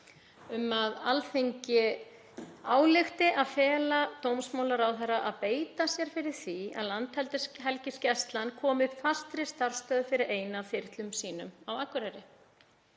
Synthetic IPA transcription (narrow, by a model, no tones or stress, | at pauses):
ʏmːaðalθejɲcɪ | aːwlɪxt̪ɪʔaðfɛːlat̪owmsmaːwlaɾawθɛrːaʔaðpeːjt̪asjɛɾ̥fɪɾɪɾ̥θia̰ðlant̪hɛlt̪ɪsɦɛlcɪscɛst̪lankʰɔːmɪfast̪ɾɪ̥st̪aɾ̥st̪œːðʏfɪɾɪɾeːjnafɪɾ̥t̪lʏmsiːnʏmawakvʏɾaɾɪ